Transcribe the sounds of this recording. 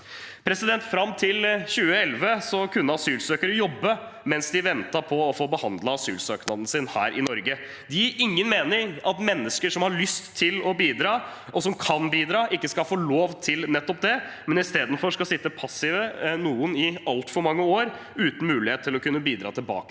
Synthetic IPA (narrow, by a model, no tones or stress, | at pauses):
pʰɾɛsɪd̪ɛnt̪fɾɑmːt̪ʰɪlçʉːəɛlʋəsɔkʰʉnːəɑsyːlsøːkəɾəjɔbːə | mɛnsd̪ɪʋɛnt̪ɑpʰɔːfoːbəhɑnd̪lɑɑsyːlsøːknɑd̪ən̩sɪnhæ̰ːɾʔɪnɔɾɡə | d̪ɪæɾʔɪŋːənmeːnɪɾɑt̪mɛnːəskəʂɔmhɑɾɭʏst̪ʰːɪlɔbiːd̪ɾɑː | ʔɔsɔmkʰɑnbiːd̪ɾɑːʔɪkːəskɑfoːloːʋt̪ʰɪlnɛt̪ːɔp̚d̪ɛmɛnɪst̪eːd̪n̩fɔʂkɑsɪt̪ːəpʰɑsɪʋənuːənɪɑlt̪fɔɾmɑŋːəoːɾ | ʉːt̪n̩mʉːlɪheːt̪t̪ʰːɪlɔkʉnːəbiːd̪ɾɑ̰ːt̪ʰɪlbɑ̰ːkə̥